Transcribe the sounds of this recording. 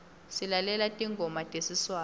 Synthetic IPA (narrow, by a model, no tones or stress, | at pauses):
silalɛlatʼiŋɡʱɔmatʼesiswaː